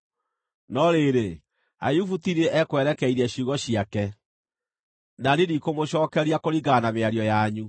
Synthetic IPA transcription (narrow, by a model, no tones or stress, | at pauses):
nɔɾeɾe | a̰jufutiɾeʔɛkwɛɾɛkɛiɾɛɕuɣɔɕiakɛ | nanenikomoɕɔːkɛɾiakoɾiɣanameaɾjɔjaɲu